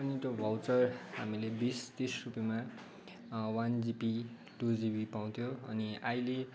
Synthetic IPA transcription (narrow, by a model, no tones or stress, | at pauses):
ʌnit̪jobʱʌwt͡sʌrɦa̰milebist̪esrupjema | wand͡zipi | ʈud͡zibipaw̃t̪ʰjoʌniajle